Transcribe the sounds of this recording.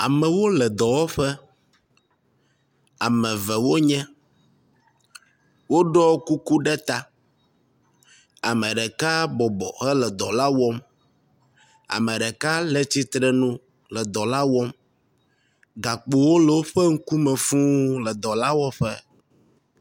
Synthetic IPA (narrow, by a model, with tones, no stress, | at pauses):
a̰˨mɛ˨wo˦lɛ˨d̪ɔ˨wɔ˦ɸɛ˦ | a˨mɛ̃˨vɛ˨wo˦ɲɛ̃˦ | wo˦ɖɔ˦ku˦ku˦ɖɛ˦t̪a˦ | a˨mɛ̃˨ɖɛ˨ka˦bɔ˨bɔ̰˨xɛ˦lɛ˨d̪ɔ˨la˦wɔ˦m | a̰˨mɛ̃˨ɖɛ˨ka˦lɛ˦t͡ɕi˦t̪ɾɛ˦nũ˦ | lɛ˨d̪ɔ˨la˦wɔ˦m | ɡa˨k͡po˨wo˦lə˨wo˦ɸɛ˦ŋ̩˦ku˦mɛ̃˨fũ˦lɛ˨d̪ɔ˨la˦wɔ˦ɸɛ˦